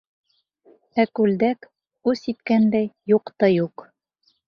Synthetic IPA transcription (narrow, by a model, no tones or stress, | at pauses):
ækʉld̪æk | ʉsit̪kænd̪æjjuqt̪ɑjuq